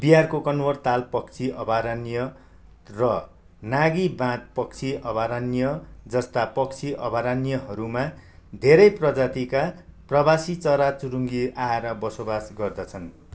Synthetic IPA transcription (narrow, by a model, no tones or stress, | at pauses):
biɦarkokʌnwʌrt̪alpʌkt͡sʰiʔʌbaɾanijʌ | rʌ | naɡibãt̪̚pʌk̚t͡sʰiʔʌbaɾanijʌd͡zʌst̪apʌkt͡sʰiʔʌbaɾanijʌɦʌɾumad̪ʱeɾʌjprʌd͡zat̪ikaprʌbasit͡sʌɾat͡suɾuŋɡiaeɾʌbʌsobasɡʌrd̪ʌt͡sʰʌn